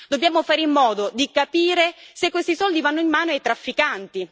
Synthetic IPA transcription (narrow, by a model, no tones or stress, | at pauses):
d̪obːjaːmofaːɾeilːɔːd̪od̪ikapiːɾesekːwest̪isɔld̪ivanːoimːaːnoajt̪ɾafːikant̪i